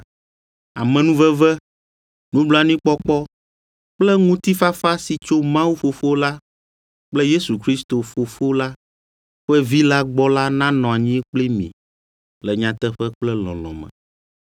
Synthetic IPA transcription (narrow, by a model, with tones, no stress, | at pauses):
a˨mɛ̃˨nũ˦vɛ˦vɛ˦ | nũ˦blɔ˦a˨nĩ˦k͡pɔ˦k͡pɔ˦ | k͡plɛ˦ŋũ˦t̪i˦fa˦fa˦si˨t͡ʃo˦mã˦wu˦ɸo˨fo˦la˦ | k͡plɛ˦je˦su˨kɾi˦st̪o˨fo˨fo˦la˦ | ɸɛ˦vi˦la˦ɡ͡bɔ˦la˦nã˦nɔ̃˨a˨ɲĩ˦ɛ˦k͡plɛ˦mḭ̃˨ | lɛ˨ɲã˨t̪ɛ˦ɸɛ˦k͡plɛ˦lɔ̰̃˨lɔ̰̃˨mɛ̰̃˨